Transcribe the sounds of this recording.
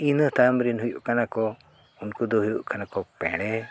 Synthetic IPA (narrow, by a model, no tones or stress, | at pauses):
inəht̪amɾinɦujṵʔkanakɔ | unkud̪ɔɦujṵʔkanakɔpɛ̰ɽ̃ɛ